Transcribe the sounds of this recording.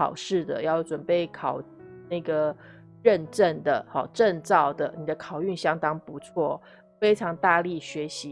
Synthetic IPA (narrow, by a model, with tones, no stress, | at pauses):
ɑ˨˩ʊʂɻ̩˥˩d̪ə̰˩jɑ˥˩ʊʈ͡ʂwə˨˩npe˥˩ɪkʰɑ˨˩ʊ | na˥˩ɡə˩ | ɻə˥˧nʈ͡ʂə˥˩nd̪ə˩hɑ˨˩ʈ͡ʂə˥˧nt͡sɑ˥˩ʊd̪ə˩ni˨˩d̪ə˦kʰɑ˨˩ʊy˥˨nɕjɑ˥ŋt̪ɑ˥ŋpu˧˦t͡sʰwɔ˥˩ | fe˥ɪʈ͡ʂʰɑ˧˥ŋt̪a˥˧li˥˩ɕɥɛ˧˥ɕi˨˦